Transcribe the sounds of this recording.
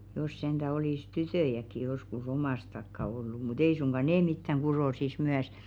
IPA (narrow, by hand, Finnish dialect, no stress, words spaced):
ĕt̆ jos send̥æ oliˑs tytøˑjækˑi joskus omɑˑs tɑkːɑ olːu mut ei suŋɡ̊ɑ neː mitːæŋ ɡ̊uroˑsis myæs